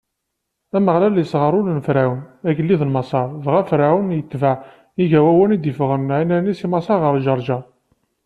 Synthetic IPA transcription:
æməʁlæljəsʁəɾˤʊlnfɾæwənæɡəlːiðəlmɑsˤɑɾˤðʁæfɾæwənjət̪ːva | iʝæwæwænid̪ifʁənʕinænisimɑsˤɑɾʁəɾˤʒɑɾˤʒɑ

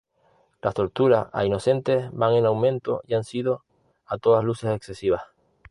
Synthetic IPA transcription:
last̪o̞ɾt̪uɾasa̰ino̞sẽ̞nt̪e̞sbaŋẽ̞nawmẽ̞nt̪o̞iansiðo̞ | at̪oðazluse̞sekse̞siβ̞as

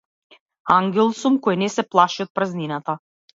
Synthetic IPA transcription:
aŋɡʲɛlˠsumkɔjnɛsɛplˠaʃiɔt̪̚pɾazninat̪a

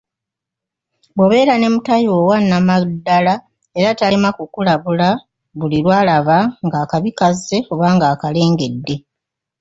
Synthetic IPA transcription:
boβe̞ːɾane̞mutajoːwanːamadːala | e̞ɾatamakukulaβula | βulilwaːlaβaŋɡaːkaβikaze̞o̞βaːŋɡaːkale̞ːŋɡe̞dːe̞

